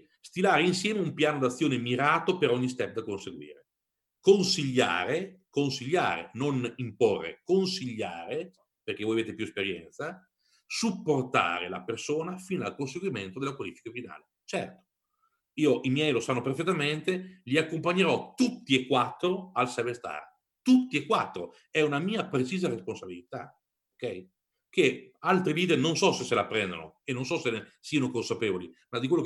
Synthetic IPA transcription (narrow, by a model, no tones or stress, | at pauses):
st̪ilaːɾeinsjɛːmeumpjaːnod̪at̪sːjoːnemiɾaːt̪opeɾɔɲːist̪ɛp̚ːd̪akonseɡwḭːɾe | konsiʎːa̰ːɾekonsiʎːa̰ːɾḛnonimporːḛkonsiʎːa̰ːɾe | perk̟evoːjaveːt̪epjuespeɾjɛ̰nt̪sa | supːort̪a̰ːɾḛla̰persoːnafiːnalkons̬eɡwiment̪od̪elakwalifi̥kafina̰ːle | t͡ʃɛrt̪o̥ | iːoʔimjɛjlosanːoperfet̪ːament̪eʎiakːompaɲːeɾɔt̪ut̪ːiekːwat̪ːɾoalsɛvest̪a̰r | t̪ut̪ːiekːwat̪ːɾo | ɛunamiːapɾet͡ʃiːzaɾesponsabilit̪a̰ | okɛj | kealt̪ɾiliːd̪ernonsɔsesːelapːɾɛnd̪o̰no̰enːonsɔsensiːanokonsapeːvolimad̪ikwelːok